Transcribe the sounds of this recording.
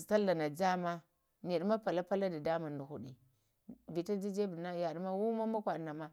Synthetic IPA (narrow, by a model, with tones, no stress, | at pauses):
ta˦la˨na˨d͡ʒa˦ma˦ | ni˨ɗma˦pa˨la˦pa˦la˦da˨da˦ma˨ndu˨xu˦˨ɗi˨ | bi˨ta˦d͡ʒi˦d͡ʒe˦bi˨na˦ja˨ɗma˦wu˦ma˦ma˦kʷa˨na˨ma˦